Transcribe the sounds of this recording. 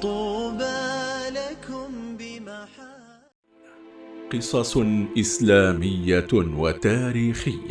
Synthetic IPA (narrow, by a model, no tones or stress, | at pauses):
t̪ˤuːbalakʊmbɪmaħa | qɨsˤɑsʔɪslaːmɪjːawat̪aːɾiːxɪjːa